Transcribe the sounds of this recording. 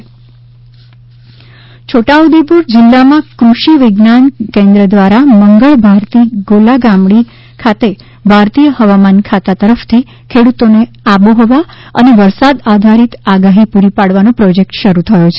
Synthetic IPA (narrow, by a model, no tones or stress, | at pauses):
t͡ʃʰoʈaud̪epuɾd͡ʒɪlːamãkɾuʃiʋɪɡnankẽnd̪ɾəd̪ʋaɾaməŋɡəɭbʱaɾt̪iɡolaɡamɽi | kʰat̪e | bʱaɾt̪ijəhəʋamankʰat̪at̪əɾəft̪ʰi | kʰeɽut̪one | aboɦɔʋaə̰neʋəɾsad̪ad̪ʱaɾit̪aɡaɦipuɾipaɽʋanopɾɔd͡ʒek̚ʈʃəɾut̪ʰəjot͡ʃʰe